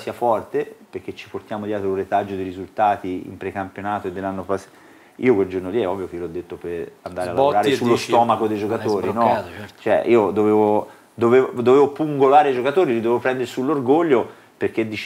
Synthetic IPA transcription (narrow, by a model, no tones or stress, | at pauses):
siːafɔrt̪eperk̟ːet͡ʃːi̥port̪jaːmod̪jɛːt̪ɾouret̪ad͡ʒːod̪eɾizult̪aːt̪iḭmpɾekampjonaːt̪oed̪ːelːanːopas | iːokweld͡ʒornoliɛɔvːijok̟eiolɔd̪ːet̪ːoperand̪aːɾealːoɾaːɾesulːost̪ɔːmakod̪ejd͡ʒokat̪oːɾinɔt͡ʃoɛ̰ʔḭːod̪oveːvo | d̪oveːvd̪oveːvopuŋɡolaːɾed͡ʒokat̪oːɾilid̪ovevopɾɛnd̪eɾesulːorɡoʎːo | perk̟ed̪ːi